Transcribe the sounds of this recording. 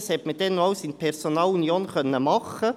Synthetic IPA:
shɛtməd̥ɛnːɔʊsinpʰɛrsonɑːlunjoːnχœnːəmɑχə

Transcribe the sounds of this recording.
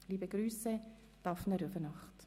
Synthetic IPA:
liːbəɡɾyːsə | d̥ɑfnəɾøfənɑχt

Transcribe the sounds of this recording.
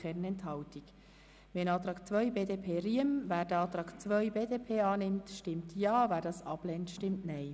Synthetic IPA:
ɛɾnɛnthɑʊtiɡ | ʋɛnɑːt̪ɾɑːkt͡sʋœʏbeːdeːpʰeːriəmvæːɾd̥əɑːt̪ɾɑːkt͡sʋœʏbeːdeːpʰeːɑːnɪmtʃtɪmtjɑːvæːɾdɑsɑ̰b̥lɛntʃtɪmtnɛɪ

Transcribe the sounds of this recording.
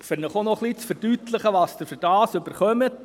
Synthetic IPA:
fɪɾnəχonɔχlit͡sfəɾd̥yt̪ləχəʋɑst̪əfʏɾd̥ɑːsɵbəɾχœmət

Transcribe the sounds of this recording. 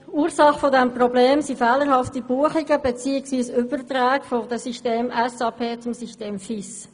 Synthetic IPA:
uːɾsɑχfodɛmprɔbleːmsifɛːləɾhɑftibuəχiɡəbɛt͡siːɪksʋiːsʏbəɾt̪ɾæːkfod̪əsiʃteːmɛsɑːpʰeːt͡sʊmsiʃteːmfis

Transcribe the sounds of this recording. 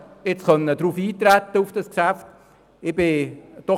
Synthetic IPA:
ɪt͡sχœnədɾuːfiːt̪ɾæt̪ːəufd̥ɑskʃæft | ɪb̥ɪd̥ɔ

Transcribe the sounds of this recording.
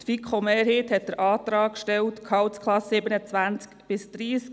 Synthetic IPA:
t̪fikχomeːɾɦeːthɛt̚d̪əɾʔɑːt̪ɾɑːkʃtɛltkʰɑwtskʰlɑsːɪbənət͡sʋænt͡skb̥ɪsd̥ɾiːsk

